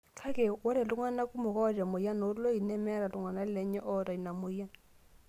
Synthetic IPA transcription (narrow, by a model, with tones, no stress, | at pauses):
kʰa˦kɛ˨wɔ˦ɾɛ˨lu˦ŋwa˦na˦ku˦mo˨kɔ˦˨ta˨mo˨ja˦no˨˦ɾlo˦i˨nɛ˦mɛ˦ɾa˨lu˨ŋa˨na˦lɛ˨ɲɛ˦ʔɔ˦ta˨i˨na˨mo˨ja˦n